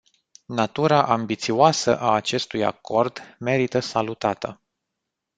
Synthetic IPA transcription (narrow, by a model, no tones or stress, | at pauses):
nat̪uɾaʔambit̪sioasə̰ʔaːt͡ʃe̞st̪uja̰ko̞rd̪me̞ɾit̪əsalut̪at̪ə